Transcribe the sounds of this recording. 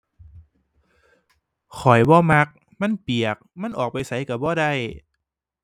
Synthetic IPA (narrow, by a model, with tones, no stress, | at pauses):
kʰɔ˨˩jbɔː˧˦ma˧˥k̚ | ma˧˥˨npi˨˩ək̚ma˧˥˨nʔɔː˨˩k̚pa˨jsa˨˦jka˧˩bɔː˧˦da˧˩˨j